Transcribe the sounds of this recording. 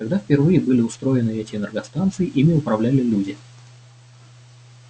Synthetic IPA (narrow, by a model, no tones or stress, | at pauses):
kɐɡd̪afʲpʲɪrvɨjɪbɨlʲɪʊst̪ɾo̞ɪnɨɛtʲɪnʲɛrɡɐst̪ant̪sɨjɪʔimʲɪʊpɾɐvlʲælʲɪlʲudʲɪ